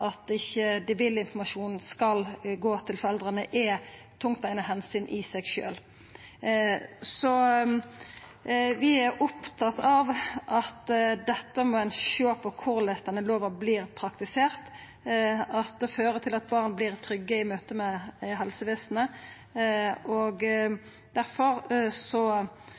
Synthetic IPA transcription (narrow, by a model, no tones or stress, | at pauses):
ɑt̪ɪçːəd̪ɛʋɪlːɪnfɔmɑʂuːnn̩skɑlɡoːt̪ʰɪlfɔɾɛld̪ʁənəʔɛt̪ʰʊŋt̪æɪnəɦɛnsyːnʔɪsɛɡʃø̰ːl | sɔ | ʋɪæʊpt̪ʰɑt̪ːɑʋʔɑt̪d̪ɛt̪ːəmɔæɪnʃøːpʰɔkʰʊʁlɛst̪ɑnəloːʋəʁbliːʁpʰɾɑkt̪ɪseːʁt̪ | ɑt̪̚d̪ɛføːɾət̪ʰɪlɑt̪̚bɑːʁnbliːʁt̪ʰɾʏɡːəɪmøːt̪əmɛɦɛlsəʋeːsnə | oɡ | d̪̥æɾfɔɾsɔ